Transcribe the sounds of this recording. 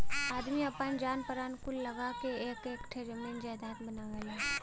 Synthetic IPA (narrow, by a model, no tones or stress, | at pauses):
aːd̪miɐpənd͡ʒaːnpəɾaːnkʊlːɐɡakeeːkeːkʈʰeɾemeːnd͡ʒaːd̪aːt̪bɐnaːɡɐlaː